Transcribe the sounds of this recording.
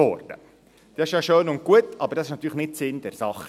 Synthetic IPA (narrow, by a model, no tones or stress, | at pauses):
ɔ̰ɾd̥ə̰ | d̥yːɪʃjɑʃøːnʊnt̚kuətɑbəɾdɑsɪʃnɑt̪ːyːɾləχnɪtsɪnd̥̪ɛɾsɑχ